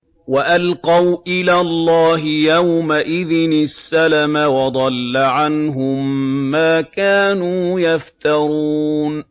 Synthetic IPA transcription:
waʔalqɑwʔɪlaːlˤːɑːɦɪjawmaʔɪðɪnɪsːalamawɑd̪ˤɑlːaʕanɦʊmːaːkaːnuːjaft̪ɑɾuːn

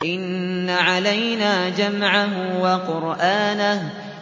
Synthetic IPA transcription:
ʔɪnːaʕalajnaːd͡ʒamʕaɦwaqʊɾʔaːnah

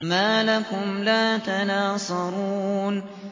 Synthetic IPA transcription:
maːlakʊmlaːt̪anaːsˤɑɾˤuːn

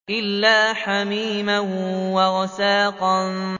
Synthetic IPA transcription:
ʔɪlːaːħamiːmawaɣsaːqɑn

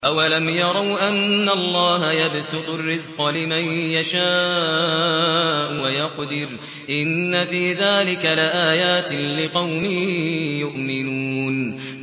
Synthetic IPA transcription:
ʔawalamjɑɾˤɑwʔanːalˤːɑːɦajabsʊq̪ʊrːɪzqɑlɪmanjaʃaː | ʔʊwajaqd̪ɪɾ | ʔɪnːafiːðaːlɪkalɪʔaːjaːt̪ɪlɪqɑwmɪhhjʊʔmɪnuːn

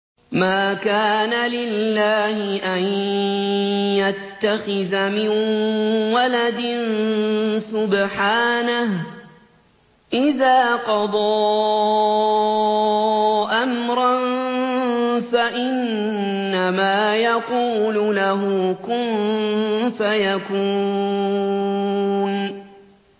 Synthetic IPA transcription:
maːkaːnalɪlːaːhɪʔaɲ | jat̪ːaxɪðamɪn | walad̪ɪn | sʊbħaːnah | ʔɪðaːqɑd̪ˤɑː | ʔamɾɑn | faʔɪnː | amaːjɑquːlʊlaɦʊkʊ | fajakuː | n

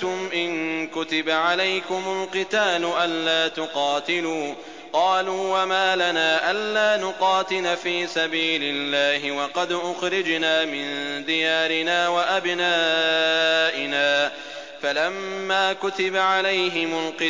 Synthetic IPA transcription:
ʊmʔɪnkʊt̪ɪbaʕalajkʊmʊlqɨt̪aːlʊʔanlaːt̪ʊqɑːt̪ɪluː | qɑːluːwamaːlanaːʔanlaːnʊqɑːt̪ɪlafiːsabiːlɪlːaːhɪwɑqɑd̪ʔʊxɾɪd͡ʒnaːmɪnd̪ɪjaːɾɪnaːwaʔabnaː | ʔɪnaː | falamːaːkʊt̪ɪbaʕalajɦɪmʊlqɨ

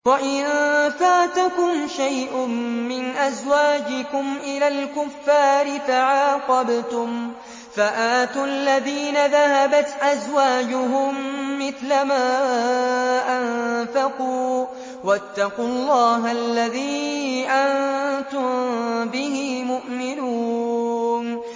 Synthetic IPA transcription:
waʔɪnfaːt̪akʊmʃajʔʊmːɪnʔazwaːd͡ʒɪkʊmʔɪlaːlkʊfːaːɾɪfaʕaːqɑbt̪ʊm | faʔaːt̪ʊalːaðiːnaðahabat̪ʔazwaːd͡ʒʊɦʊmːɪθlamaː | ʔanfaquː | wat̪ːɑqʊlˤːɑːɦalːaðiːʔant̪ʊmbɪhɪmʊʔmɪnuː | n

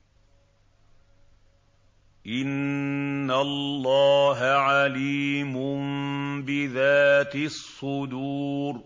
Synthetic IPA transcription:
ʔɪnː | allːɑːɦaʕaliːmʊmbɪðaːt̪ɪsˤːʊd̪uːɾ

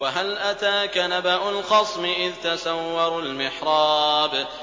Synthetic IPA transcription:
waɦalʔat̪aːkanabaʔʊlxɑsˤmɪʔɪðt̪asawːɑɾˤlmɪħɾˤɑːb

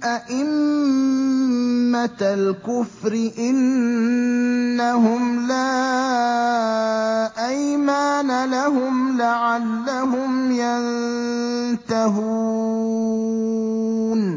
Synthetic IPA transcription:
ʔaʔɪm | alkʊfɾɪʔɪnnː | aɦʊmlaː | ʔajmaːnalaɦʊmlaʕalːaɦʊm | jan | t̪aɦu | n

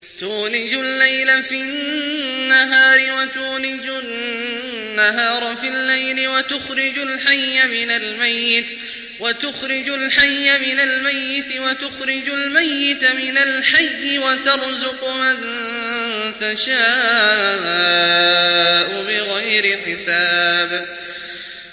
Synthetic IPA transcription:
t̪ʊːnɪd͡ʒʊlːajlafɪ | nːaɦɑːɾɪwat̪ʊːnɪd͡ʒʊnː | aɦɑːɾˤfɪlːajlɪwat̪ʊxɾɪd͡ʒʊlħajːamɪnalmajːɪt̪ | wat̪ʊxɾɪd͡ʒʊlħajːamɪnalmajːɪt̪wat̪ʊxɾɪd͡ʒʊlmajːɪt̪mɪnalħajːɪwat̪ɑɾˤzʊqman | t̪aʃaː | ʔʊbɪɣajɾɪħɪsaːb

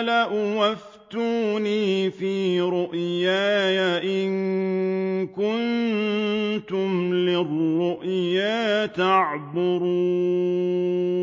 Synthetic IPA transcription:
laʔʊwaf | t̪uːniːfiːɾʊʔjaːjaʔɪŋ | kʊn | t̪ʊmlɪrːʊʔjaːt̪aʕbʊɾuː

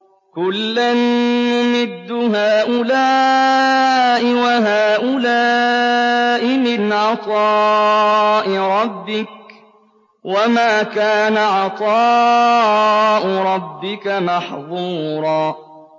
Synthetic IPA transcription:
kʊlːanːʊmɪd̪ːʊɦaːʔʊla | ʔɪwaɦaːʔʊla | ʔɪmɪnʕɑt̪ˤɑ | ʔɪɾˤɑbːɪk̚ | wamaːkaːnaʕɑt̪ˤɑː | ʔʊɾˤɑbːɪkamɑħðˤuːɾˤɑː

